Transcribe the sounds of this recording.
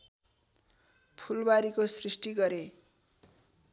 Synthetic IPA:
pʰulbaɾikosrisʈiɡʌɾe

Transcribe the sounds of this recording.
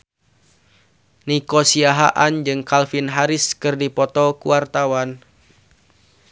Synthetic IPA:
nikɔsiaɦa̰ʔand͡ʒɨŋkalfinɦaɾɪskɨrdipɔt̪ɔkuwart̪awan

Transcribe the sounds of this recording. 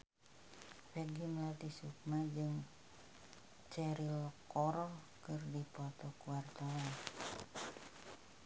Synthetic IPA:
fɛɡiməlat̪isuk̚mad͡ʒɨŋ | t͡ʃɛɾilɔkɔɾɔkɨrdipɔt̪ɔkuwart̪awan

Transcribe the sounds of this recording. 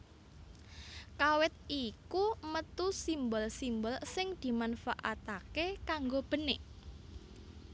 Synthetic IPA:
kawɪt̪̚ikumət̪usimbɔlsimbɔlsɪŋd̪̥i̤manfaʔat̪akekaŋɡob̥ə̤nɪ

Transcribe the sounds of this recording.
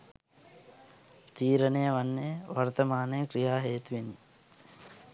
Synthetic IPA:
t̪iːɾənejəʋanːejəʋɐɾt̪ɐmaːnɐjəkɾijaːɦeːt̪uʋeni

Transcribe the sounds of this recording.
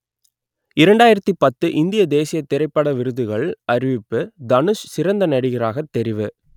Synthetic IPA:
ɪɾɐɳɖaːjɪɾɐt̪ːipɐt̪ːɯʔɪnd̪ɪjɐd̪eːsɪjɐt̪ːɪɾɐɪpːɐɽɐʋɪɾɯðɯɣɐɭɐɾɪʋɪpːɯd̪ɐnɯʂsɪɾɐnd̪ɐnɐɽɯɣɪraːɣɐt̪ːɛɾɪʋɯ

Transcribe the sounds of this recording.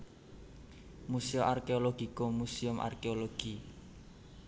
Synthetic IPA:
musiʊʔarkeoloɡ̥i̤komusiʊmʔa̰rkeoloɡ̥i

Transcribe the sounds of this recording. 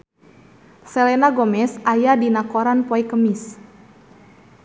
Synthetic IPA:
sɛlɛnaɡɔmɛsajadinakɔɾanpɔɛkəmis

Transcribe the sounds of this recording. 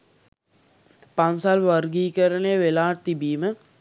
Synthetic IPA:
pansalʋərɡiːkəɾənejəʋelaːʈ̚t̪ibiːmə

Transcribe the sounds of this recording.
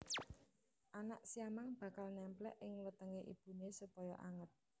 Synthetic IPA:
ʔanaʔsiamaŋb̥ä̤kalnɛmplɛ̰ʔɪŋwət̪əŋeʔḭb̥ṳnesupɔjɔʔa̰ŋət̪̚

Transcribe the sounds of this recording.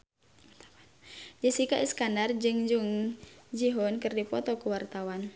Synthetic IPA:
d͡ʒəsikaʔiskandard͡ʒɨŋd͡ʒuŋd͡ʒiɦɔnkɨrdipɔt̪ɔkuwart̪awan

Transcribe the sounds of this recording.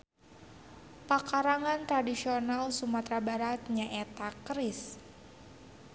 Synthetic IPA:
pakaɾaŋant̪ɾadisionalsumat̪ɾabaɾat̪̚ɲaʔɛt̪akɾɪs

